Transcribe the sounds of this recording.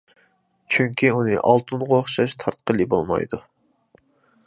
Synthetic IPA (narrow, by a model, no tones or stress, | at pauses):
t͡ʃʰyŋkʲiunɨ̰ʔɑlˠt̪ʰunʁəoχʃɑʃt̪ʰɑɾt̪̚qʰəlˠɨbolˠmɑ̰jd̪u